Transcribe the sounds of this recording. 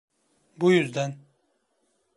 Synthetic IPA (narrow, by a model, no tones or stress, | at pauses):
bujyzd̪æn